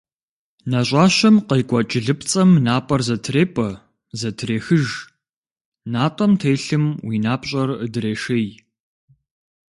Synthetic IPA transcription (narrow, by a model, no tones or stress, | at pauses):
nɐɕʷʼɑːɕɐmqejkʷʼɔt͡ʃʼɪɮɨpʰt͡sʼɐmnaːpʼɐrzɐtʰreːpʼɐ | zɐtʰreːxɨʒ | naːtʼɐmtʰeːɬɨmwiːnaːpɕʼɐrədreːʃej